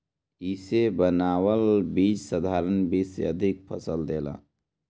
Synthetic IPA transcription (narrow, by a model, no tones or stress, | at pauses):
isebənaːwəlbiːt͡ʃsəd̪ʱaːɾənbiːsḛəd̪ʱɪk̚pʰəsəld̪eːla̰ː